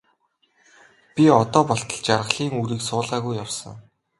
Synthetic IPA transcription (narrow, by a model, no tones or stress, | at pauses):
pʲiɔt̪ɔːpɔɬt̪ə̆ɮt͡ɕarʁə̆ɮiːŋuɾiːksʊːɮʁaːɣujːawsə̆ŋ